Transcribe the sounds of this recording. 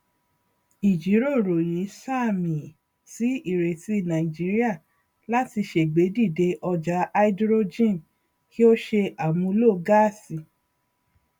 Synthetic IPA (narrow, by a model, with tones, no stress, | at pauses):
i˨d͡ʒi˨˦ɾo˦˨ɾo˨ji˨˦sa˦˨mĩ˨ | ti˨˦i˦˨ɾe˨ti˧˦nã˨i˨d͡ʒi˨˦ɾi˦a˦˨ | la˦ti˧ʃe˨ɡ͡be˨˦di˦˨de˧ʔɔ˧d͡ʒa˨˦a˦i˦dɾo˦d͡ʒĩ˦˨n | ki˦o˦ʃe˧ʔa˨mũ˧˦lo˦˨ɡa˦˨si˨